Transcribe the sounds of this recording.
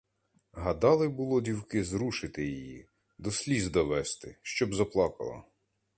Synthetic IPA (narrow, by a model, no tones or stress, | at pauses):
ɦɐd̪ɑlˠɪbʊlˠɔdʲiwkɪzɾuʃɪt̪ɪjijḭ | d̪ɔsʲlʲizd̪ɔʋɛst̪ɪʃt͡ʃɔbzɐplˠɑkɐ̰lˠɐ̰